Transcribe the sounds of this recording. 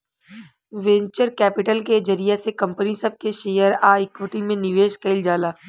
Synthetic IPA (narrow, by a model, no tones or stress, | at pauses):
ʋẽɲt͡ʃəɾkɛːpɪʈəlked͡ʒɐɾijesekɐ̃mpənisɐb̚keʃeːjəɾaːɪkwɪʈimẽnɪʋeːʃkɐld͡ʒaːlaː